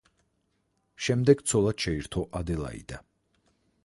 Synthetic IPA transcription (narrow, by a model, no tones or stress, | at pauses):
ʃɛmd̪ɛɡt̪sʰɔlˠat̪ʃɛiɾt̪ʰɔʔad̪ɛlˠa̰ḭd̪̥a